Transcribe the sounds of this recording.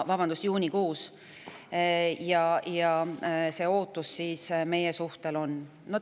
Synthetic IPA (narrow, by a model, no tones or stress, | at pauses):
vɑb̥ɑnd̪̥usjuːnʲikuːs | jɑjɑse̞ːo̞ːt̪ːˑusːiːsme̞jesuht̪e̞lo̞n | no